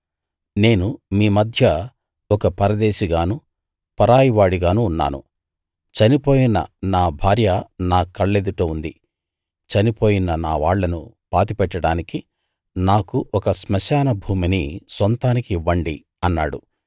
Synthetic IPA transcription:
ne̞ːnumiːmɐd̪ʱjɐ | ɔkɐpɐɾɐd̪eːʃiɡaːnu | pɐɾaːjiʋaːɽiɡaːnuːnːa̰ːnṵ | t͡ʃɐnipo̞ːjinɐ̰naːbʱaːɾjɐnaːkːɐɭːeːd̪uʈoːund̪i | t͡ʃɐnipoːjinɐnaːʋaːɭːɐnṵ | paːt̪ipɛʈːɐɽaːniki | naːkuʔɔkɐsmɐʃaːnɐbʱuːminisont̪aːnikiʋɐɳɖi | ɐnːa̰ːɽṵ

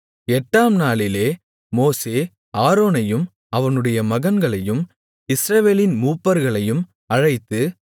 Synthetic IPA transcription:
ɛʈːaːmnaːɭɪleː | moːseː | aːɾoːnɐjɯm | ɐʋɐnɯɽɐjɐmɐɣɐnɡɐɭɐjɯm | ɪsɾɐʋeːlɪnmuːpːɐɾɣɐɭɐjɯm | ɐɻɐɪt̪ːɯ

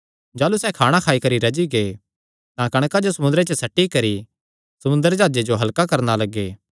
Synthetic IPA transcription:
d͡ʒaːlusɛːkʰaːɽ̃akʰaːikɐɾiɾɐd͡ʒiɡe | t̪ãkɐɽ̃kad͡ʒosɐmʊ̃nd̪ɾet͡ʃəsɐʈːikɐɾi | sɐmʊ̃nd̪əɾd͡ʒaːd͡ʒed͡ʒoɦɐlkakɐɾnalɐɡːeː

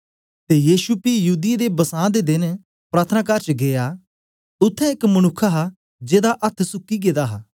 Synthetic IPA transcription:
t̪ejiːʃupijɐɦuːd̪ɪjed̪ebɐsãːd̪ed̪ɪn | pɾaːt̪ʰənaːkaɾt͡ʃɡeːja | ʊt̪ʰːɛɪkmɐñʊkʰːaɦa | d͡ʒeːd̪aʔɐt̪ʰsʊkːiɡeːd̪aɦaː

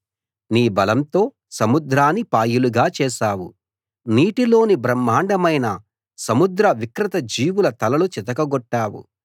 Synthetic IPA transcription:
niːbɐlɐmt̪o̞ː | sɐmud̪ɾaːnːipaːjuluɡaːt͡ʃɛːʃaːwṵ | niːʈilo̞ːnibɾɐmːaːɳɖɐmɐjnɐ | sɐmud̪ɾɐʋikɾɪt̪ɐd͡ʒiːwulɐt̪ɐlɐlut͡ʃit̪̬ɐkɐɡɔʈːaːwṵ

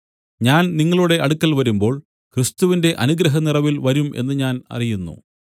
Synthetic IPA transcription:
ɲaːnniŋːɐɭuɽe̞ʔɐɽukːɐlʋɐɾumbo̞ːɭ | kɾist̪uʋinde̞ʔɐnuɡɾɐɦɐnirɐʋilʋɐɾumʔe̞̰nːɨɲaːnɐ̰rijunːṵ

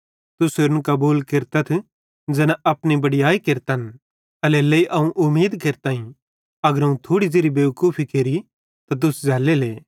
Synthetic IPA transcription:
t̪ʊseɾnkɐbuːlkeɾt̪ɐt̪ʰ | d͡ʒɛːnaʔɐpnibɐɽɪjaːikeɾt̪ɐn | ɐlɛlɐiʔɐũʔʊmːiːd̪keɾt̪aːĩ | ɐɡəɾɐũt̪ʰoːɽid͡ʒeɾibeːʋkuːpʰikeɾi | t̪at̪̬ʊsd͡ʒʱɛːleleː

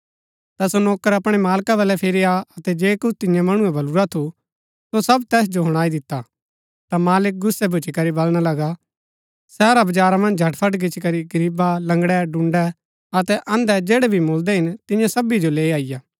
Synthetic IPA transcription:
t̪asonoːkəɾɐpɽ̃ɛmaːlkabɐlɛpʰɪɾiaɐt̪ɛd͡ʒeːkʊt͡ʃʰt̪ɪjãmɐɽ̃ũɛ̃bɐluɾat̪ʰu | sosɐbt̪ɛːs̬d͡ʒoɦʊɽ̃aːid̪ɪt̪ːa | t̪amaːlɪk̚ɡʊsːɛbʱʊt͡ʃikɐɾibɐlɽ̃alɐɡa | sɛːɾabɐd͡ʒaːɾamɐ̃nd͡ʒd͡ʒʱɐʈpʰɐʈɡɪt͡ʃikɐɾiɡɐɾiːbalɐ̃ŋɡɽɛɖʊ̃ɳɖɛ | ɐt̪ɛʔɐ̃nd̪ɛd͡ʒeːɽɛbʱimold̪ɛɦɪnt̪ɪ̃jãsɐbid͡ʒoleːaːɪjaː

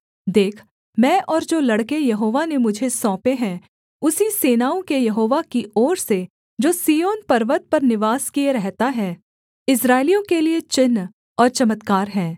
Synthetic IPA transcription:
d̪eːkʰ | mɛ̃ːʔɔːɾd͡ʒoːlɐɽkejɐɦoːʋanemʊd͡ʒʱesɔ̃ːpeɦɛ̃ | ʊsiseːnaːõkejɐɦoːʋakiɔːɾse | d͡ʒoːsiːjoːnpɐɾʋət̪̚pɐɾnɪʋaːskieɾɛɦt̪aɦɛː | ɪsɾaːɪlijõkeliet͡ʃɪnː | ɔːɾt͡ʃɐmət̪kaːɾɦɛ̃ː

